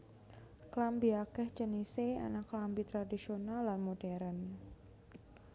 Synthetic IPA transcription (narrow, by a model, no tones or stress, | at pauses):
klambiakɛhd͡ʒənisea̰naklambit̪ɾadisionalːanmodɛɾən